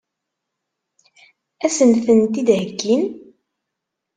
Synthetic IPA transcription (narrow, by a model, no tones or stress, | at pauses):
æsənθənt̪id̪ɦəɡːin